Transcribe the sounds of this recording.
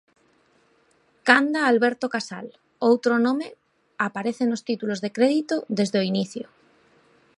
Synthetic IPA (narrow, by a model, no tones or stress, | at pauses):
kand̪aːlβeɾt̪okasa̰l | owt̪ɾonõme | apaɾeθenost̪it̪ulozðe̞kɾeðit̪oðe̞zðeoiniθjo